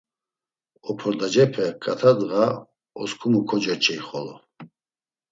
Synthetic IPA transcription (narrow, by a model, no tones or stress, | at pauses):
ɔpʰɔɾd̪ad͡ʒɛpʰɛkʼat̪ʰad̪ɣa | ɔskʰumukʰɔd͡ʒat͡ʃʰʼɛiχɔlɔ